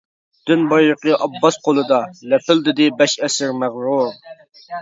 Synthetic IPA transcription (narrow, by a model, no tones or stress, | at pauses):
d̪̥ynbɑjləqəʔɑbːɑsqʰolˠɨd̪ɑlɛpɪld̪ɪd̪ɪbɛʃɛsɪɾmæʁɾuɾ